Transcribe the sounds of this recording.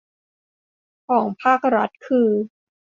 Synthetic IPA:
kʰɔː˩˦ŋpʰaː˥˩k̚ɾa˦˥t̪̚kʰɯː˧

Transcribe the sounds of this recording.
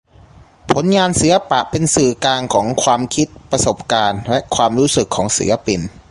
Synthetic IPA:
pʰo˩˦nŋaː˧nsi˩˦la˧pa˨˩ʔpe˧nsɯː˨˩klaː˧ŋkʰɔː˩˦ŋkʰwaː˧mkʰi˦˥t̪̚pɾa˧so˨˩p̚kaː˧nlɛ˦˥ʔkʰwaː˧mɾuː˦˥sɯ˨˩kʰːɔː˩˦ŋsḭ˩˦ɐ˦pi˧n

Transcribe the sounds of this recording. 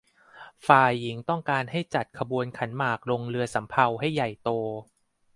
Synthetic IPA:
faː˨˩jːi˩˦ŋt̪ɔ˥˩ŋkaː˧nɦa˥˩jt͡ɕa˨˩t̪̚kʰa˧bu˧ənkʰa˩˦nmaː˨˩k̚lo˧ŋɾɯ˧ɐsa˩˦mpʰa˧wɦa˥˩jːa˨˩jt̪oː˧

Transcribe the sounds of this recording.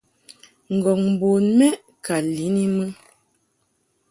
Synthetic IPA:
ŋ̩˨ɡɔ˨ŋm˨bo˨nmɛ˦ | ka˨li˨˦ni˦mə˦

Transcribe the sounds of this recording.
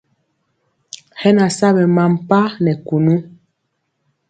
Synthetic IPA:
hɛ˦na˨sa˦bɛ˨ma˨m˨pa˦nɛ˨ku˨nu˦

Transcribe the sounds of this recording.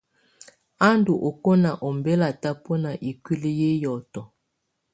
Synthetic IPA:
a˦ndu˨ʔo˨ko˦na˨ʔɔ˨mbe˦la˨ta˦po˦na˨ʔi˨kwi˦li˦je˦jɔ˨tɔ˨

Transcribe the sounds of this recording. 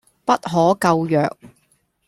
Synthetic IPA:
pɐ˥t̚ɦɔː˨˥kɐ˧wjœː˨k̚

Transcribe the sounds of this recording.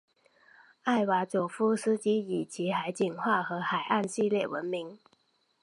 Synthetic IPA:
a˥˩ɪwa˧˥t͡ɕjo˨˩ʊfu˥s̩˥t͡ɕi˥i˨˩t͡ɕi˧˥˦xa˧˥ɪt͡ɕi˨˩ŋxwa˥˩xɤ˧˥xa˨˩ɪa˥˧nɕi˥˧ljɛ˥˩wə̰˧˦˥nmi˧˥˦ŋ

